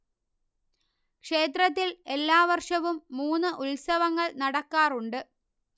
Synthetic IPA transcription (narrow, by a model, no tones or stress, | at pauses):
kʂe̞ːt̪ɾɐt̪̬ːile̞lːaːʋɐrʂɐʋumːuːnːɨʔulsɐʋɐŋːɐɭnɐɽɐkːaːruɳɖɨ